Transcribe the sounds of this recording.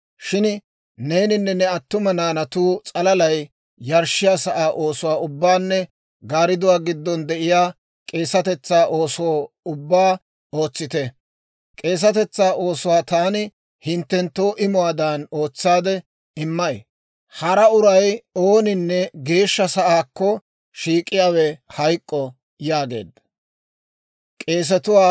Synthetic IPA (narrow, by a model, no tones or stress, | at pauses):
ʃɪn | ne̞ːnɪnːɛnːɛɐt̪ːʊmɐnaːnɐt̪uːt͡sʼɐlɐlɐj | jɐɾʃɪjaːsɐʔaːʔo̞ːsʊwaːʊbːaːnːɛ | ɡaːɾɪd̪ʊwaːɡɪd̪ːɔnd̪ɛʔɪjaː | kʼe̞ːsɐt̪ɛt͡sːaːʔo̞ːsʊwoː | ʊbːaː | o̞ːt͡sːɪt̪ɛ | kʼe̞ːs̬ɐt̪ɛt͡sːaːʔo̞ːsʊwaːt̪aːnɪ | hɪnt̪ːɛnt̪ːoːʔɪmʊwaːd̪ano̞ːt͡sːaːd̪ɛ | ɪmːɐj | hɐɾɐʊɾɐjoːnɪnːɛɡe̞ːʃːɐsɐʔaːkːɔ | ʃiːkʼːɪjaːwɛhɐjkʼːɔ | jaːɡe̞̰ːd̪ɐ | kʼe̞ːs̬ɛt̪ʊwaː